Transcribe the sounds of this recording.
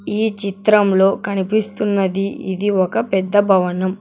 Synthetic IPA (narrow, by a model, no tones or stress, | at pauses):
iːt͡ʃit̪ɾɐmlo̞ːkɐnipist̪unːɐd̪iḭd̪iɔkɐpɛd̪ːɐbʱɐʋɐnɐm